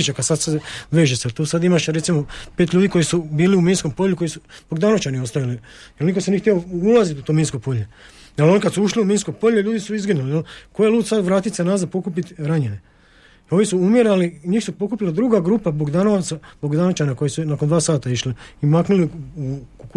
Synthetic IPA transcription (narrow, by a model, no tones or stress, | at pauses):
it͡ʃakad̪sad̪seʋeːʒeselt̪oːsad̪imaʃɾe̞t̪simope̞ːt̪ʎʲuːd̪iko̞jisubiːliumiːnsko̞mpo̞ʎuko̞jisuboɡd̪aːnot͡ʃanio̞st̪aʋili | jelnikosenixt̪ʲeoulˠazit̪ut̪omiːnsko̞poʎe | jalo̞nikad̪suuʃliumiːnsko̞poʎeʎuːd̪isuizɡinulijelkojeluːt̪sad̪ʋɾaːt̪it̪senazapo̞kupit̪ɾaɲene | io̞nisuumjeɾaliɲiːxsupo̞kupilad̪ɾuɡaɡɾupaboɡd̪anoʋat̪saboɡd̪aːnot͡ʃanako̞jesunakond̪ʋaːsaːt̪aiʃliimaknuliuk